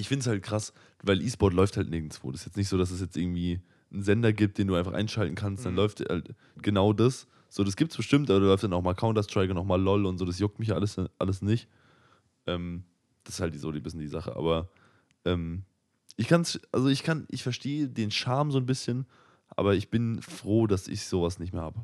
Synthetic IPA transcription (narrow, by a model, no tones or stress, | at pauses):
ʔɪçfɪndəshalt̚kʁ̥as | vaɪlʔiːsb̥ɔɐtlɔʏfthaltneːɡ̚ŋ̩sv̥o̰ːdsjɛt͡stnɪçtz̥oːdas̬ɛs̬jɛt͡stʔɪɐɡŋ̩tv̥iː | n̩zɛndɐɡiːp̚d̥eːnduːaɪnfaχʔa̰ɪnʃaltn̩kʰanstd̥anlɔʏfta̰lt | ɡ̥ənaʊdas | z̥oːdasɡ̥iːp̚tsb̥əʃtɪmtʔabɐɾalɔʏftd̥anaʊxmaːlkʰaʊntastʁ̥aɪkʊnaʊxmaːlːɔlʊntz̥oːdas̬jʊk̚tmɪçjaʔaləsʔa̰ləsnɪçt | ʔɛːm | d̥asɪ̥shalt̚d̥izoːdiːbɪsn̩diːzaχə̰ʔa̰ːbɐ | ʔɛːm | ʔɪçkʰansʔa̰lzoɪçkʰanʔɪ̰çfɛɐʃtʰeːədeːnʃaɐmzoːnbɪsçən | ʔa̰ːbɐɪçb̥ɪnfʁ̥oːdasɪ̰çz̥oːvasnɪçtmeːɐha̰ːbə